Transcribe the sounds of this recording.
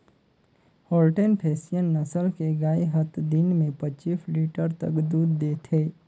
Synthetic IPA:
hoːlʈenpʰeːsijənːəsəlkeɡaːeɦət̪d̪ɪnmẽpət͡ʃiːsliːʈəɾt̪ə̰kd̪uːd̪ːeːt̪ʰeː

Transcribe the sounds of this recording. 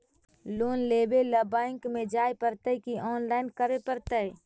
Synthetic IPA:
loːnleːbeləbaːɪŋkmẽd͡ʒaːepəɾt̪əikiʔɔːnlaːɪnkəɾepəɾt̪ə

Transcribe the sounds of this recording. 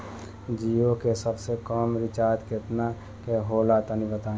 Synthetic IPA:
d͡ʒiokesəbsekɔːmɾɪt͡ʃaːɾt̪kɪt̪na | keɦoːlat̪ənibət̪ãː

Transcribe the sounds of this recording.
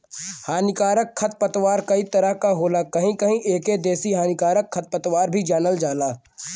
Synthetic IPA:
haːnɪkaːɾəkʰːɐt̪̚pət̪waːɾkɐit̪ɐɾəɦkaɦoːlakɐɦĩkəɦĩʔeːked̪eːsiɦaːnɪkaːɾəkʰːɐt̪̚pət̪waːɾbʱid͡ʒaːnəld͡ʒaːlaː

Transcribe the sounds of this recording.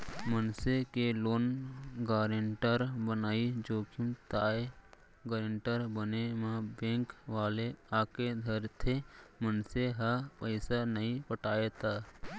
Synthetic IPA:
mənsekeloːnɡaːɾeɳʈəɾbənaːid͡ʒoːkumt̪aːe | ɡaːɾeɳʈəɾbənemãbẽːŋkʋaːleaːked̪ʱəɾt̪ʰemənseɦapəɪsanəɦĩpəʈaːet̪aː

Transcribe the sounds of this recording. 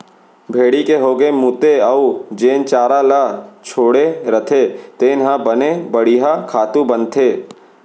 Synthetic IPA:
bʱeːɽikeɦoːɡemuːt̪eəud͡ʒeːnt͡ʃaːɾalaːt͡ʃʰoːɽeɾət̪ʰet̪eːnɦãbənebəɽiːɦakʰaːt̪ũbənt̪ʰeː

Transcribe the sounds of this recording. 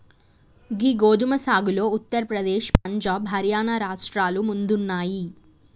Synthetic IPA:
ɡiɡoːd̪umɐsaːɡulo̞ːut̪ːɐɾɐpɾɐd̪eːʃp̚ɐɲd͡ʒaːbɦɐɾjaːnaɾaːʂʈɾaːlumund̪unːaːji

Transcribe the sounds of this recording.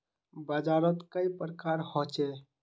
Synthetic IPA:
bad͡ʒaɾɔt̪kəjpɾəkaɾhɔt͡ʃɛ

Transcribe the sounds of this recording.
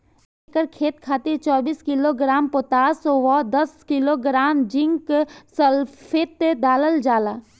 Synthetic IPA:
ekəɾkʰeːt̪kʰaːt̪et͡ʃɔːbiːskiloɡɾaːmpot̪aːswɔd̪əskiloɡɾaːmd͡ʒɪ̃ŋksəlpʰet̪d̪aːləld͡ʒaːlaː

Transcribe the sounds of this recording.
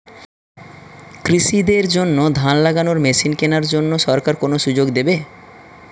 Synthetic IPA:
kɾiʃid̪eɾd͡ʑonːod̪ʱanlaɡanoɾmeʃinkenaɾd͡ʑonːoʃɔɾkaɾkonoʃud͡ʑoɡd̪ebe

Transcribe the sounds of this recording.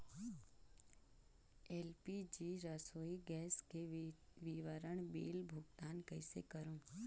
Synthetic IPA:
ɛːlpid͡ʒiɾəsoːiɡɛːskeʋiʋəɾəɳ̃beːlbʱʊɡt̪aːnkəɪsḛkəɾũː

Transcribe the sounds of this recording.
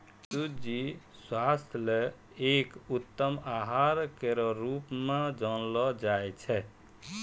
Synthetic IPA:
sud͡ʒi | swast̪ʰle | ekut̪ːəmaɦaɾkeɾɔɾupmẽd͡ʒɔnlɔd͡ʒajt͡ʃʰɛ

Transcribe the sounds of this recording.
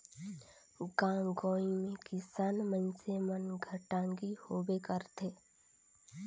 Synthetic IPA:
ɡãːɡoɔːimẽkɪsaːnmənsemənɡʱəʈãːŋɡihoːbekəɾt̪ʰeː

